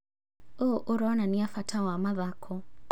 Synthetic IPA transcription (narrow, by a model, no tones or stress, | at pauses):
ɔʔuɾɔnaniafatʰawamaðakʰɔ